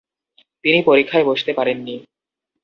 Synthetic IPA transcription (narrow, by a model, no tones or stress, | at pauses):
t̪inipoɾikʰːaeboʃt̪epaɾenːi